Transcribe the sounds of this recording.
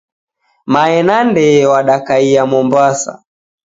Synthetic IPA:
maɛnandɛwaɗakaiamɔmbasa̰

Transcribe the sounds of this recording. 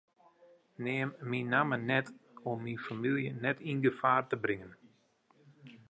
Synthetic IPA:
nɪəmːinamənɛtɔmːinfamilˠjənɛtinɡəfaːrtəbrɪŋən

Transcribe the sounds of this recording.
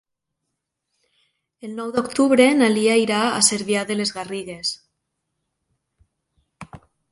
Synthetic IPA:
elnowðokt̪uβɾe̞naliajɾaa̰seɾβjaðele̞zɣariɣ̞e̞s

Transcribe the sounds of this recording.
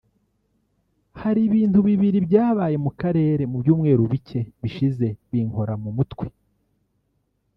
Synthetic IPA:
haɾiβiːntuβiβiɾibjaːβaːje̞mukaɾe̞ːɾe̞mubjuːmŋe̞ːɾuβice̞βiʃize̞βiŋho̞ɾamumutwe

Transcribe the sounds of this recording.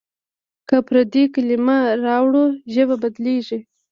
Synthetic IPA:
kapɾad̪ikalimaɾɑwɽuʒəbabad̪leʐi

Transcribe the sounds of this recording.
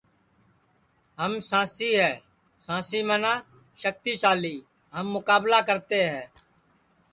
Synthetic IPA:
ɦəmsãːsiːɦɛː | sãːsiːmənaː | ʃək̚t̪iːsaːliː | ɦəmːʊkaːblaːk̬əɾt̪eːɦɛː

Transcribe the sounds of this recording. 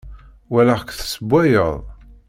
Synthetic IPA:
wælækθsəbʷːæjəðˤ

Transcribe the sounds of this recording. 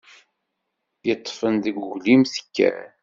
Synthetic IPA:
jət̪ˤːfənðəɡʊʝlimθə̥kːæ̰

